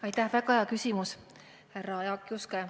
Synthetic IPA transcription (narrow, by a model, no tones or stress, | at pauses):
ɑjt̪ːæhvæɡɑeɑkysʲimus | hærɑjɑkjuske